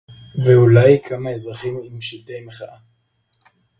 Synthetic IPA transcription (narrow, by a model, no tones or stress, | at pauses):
veulajkʰamaezʁaχimimʃilt̪ejmeχaʔa